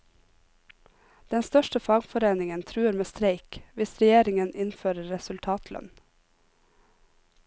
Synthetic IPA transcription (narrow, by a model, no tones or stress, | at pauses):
d̪̥ɛnst̪œʃʈəfɑːɡfɔɾeːnɪŋənt̪ʰɾʉːəɾmeːst̪ɾeɪkʋɪsɾɛjeːɾɪŋənʔɪnføːɾəːɛsʉlt̪ʰɑːt̪ʰlœ̰n